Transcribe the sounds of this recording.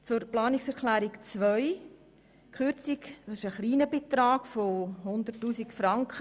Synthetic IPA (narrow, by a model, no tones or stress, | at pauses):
t͡sʊɾplɑːnɪksɛɾklæːɾikt͡sʋœʏ | kʰχʏɾt͡sikd̥ɑsɪʃəχliːnəbet̪ɾɑːɡ̥fohʊnd̪ərtːuːsikfɾɑŋkχə